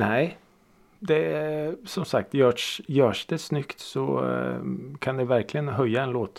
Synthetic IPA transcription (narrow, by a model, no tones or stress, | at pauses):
næɪ | d̪ɛsɔmsak̚t̪jøːʂjøːʂd̪ɛsnʏkt̪sɔ | kʰɑnd̪ɛʋæɾklɪənɦœʏːaɛnloːt̪